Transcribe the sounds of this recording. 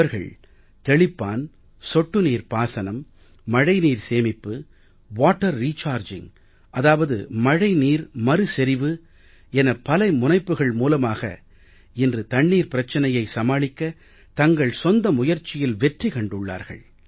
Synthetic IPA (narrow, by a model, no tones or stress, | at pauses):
ɐɾɣɐ̰ɭ | t̪ɛɭɪpːaːn | sɔʈːɯniːɾpaːsɐnɐmː | ɐɻɐɪniːɾseːmɪpːɯ | ʋaːʈːɐɾːiːt͡ʃaːɾd͡ʒɪ̰ŋ | ʔɐðaːʋɐðɯ̰mɐɻɐɪniːɾmɐɾɯsɛɾɪʋɯ | ɛnɐpɐlɐɪmʊnɐɪpːɯɣɐɭmuːlɐmaːɣɐ̰ | ɪndrɯt̪ɐɳːiːɾpɪɾɐt͡ʃːɐnɐjɐɪsɐmaːɭɪkːɐ | t̪ɐŋɡɐɭsɔnd̪ɐmʊjɐɾt͡ʃːɪjɪlʋɛʈrikɐɳɖɯɭːa̰ːɾɣɐ̰ɭ